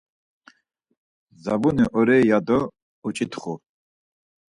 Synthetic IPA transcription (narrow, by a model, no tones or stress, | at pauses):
zabuniʔɔɾɛːjad̪ɔ | ut͡ʃʼit̪ʰχu